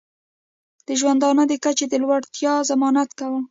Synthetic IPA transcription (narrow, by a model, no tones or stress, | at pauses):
d̪̥əʒwand̪ɑnəd̪əkat͡ʃed̪əlwaɽt̪jɑzamɑnat̪kawə